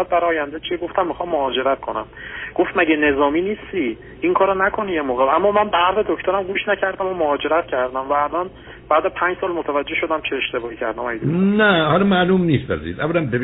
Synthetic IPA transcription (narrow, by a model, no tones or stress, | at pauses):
æd̪̚bæɾɒːjænd̪et͡ʃʰieɡo̞ft̪æmːixɒːmːohɒːd͡ʒe̞ɾæt̪̚kʰo̞næ̰mɡ̥o̞ft̪mæɟene̞zɒːmiːniːst̪i | ʔiŋkʰɒːɾonækʰo̞nijemoːɣeæmːɒːmænbæɾzed̪ocʰt̪oɾæmɡuːʃnæcʰæɾd̪æmomohɒːd͡ʒe̞ɾæt̪cʰæɾd̪æmvæːlɒn | b̥æːd̪æzpʰænɲd͡ʒsɒːlmot̪ʰævæd͡ʒːe̞ʃo̞d̪æmt͡ʃʰeːʃt̪e̞bɒːhiːcʰæ̰ɾd̪æmɒjid̪inæhɒlɒmæːlumnist̪æ̰zḭzævːælænbe